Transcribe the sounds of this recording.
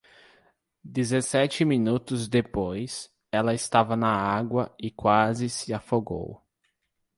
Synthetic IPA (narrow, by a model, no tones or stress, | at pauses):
d̪ezesɛt͡ʃɪmĩnut̪ʊzd̪epojs | ɛlɐɪst̪avɐnɐaɡwɐɪkwazɪsɪafoɡo̰w